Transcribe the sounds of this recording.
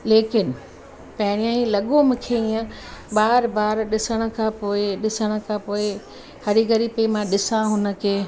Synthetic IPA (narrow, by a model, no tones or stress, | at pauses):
leːkɪnɪ̆ | pɐ̃ɦɪɾ̃ijãĩlɐɠomkʰeiə̃ɓaːɾbaːɾɗɪsəɽ̃ə̆kʰãːpoːɪɗɪsəɽ̃ə̆kʰãːpoːɪ | hɐɾiɡɐɾipɐimãɗɪsãɦʊnə̆kʰeː